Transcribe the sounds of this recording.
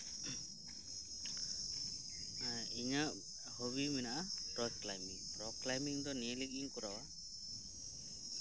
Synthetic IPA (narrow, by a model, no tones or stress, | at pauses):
iɲaʔ | hoβiminaʔapɾɔklajmiŋpɾɔklajmiŋd̪ɔniɛliɡiŋkɔɾawa